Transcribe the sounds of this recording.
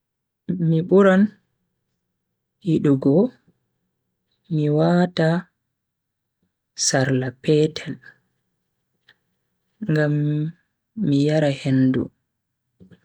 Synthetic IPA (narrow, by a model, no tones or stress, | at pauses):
miɓuɾan | hiɗuɡɔ | miwaːta | saɾlapɛːtʰɛl | ŋɡamː | ijaɾahendṵ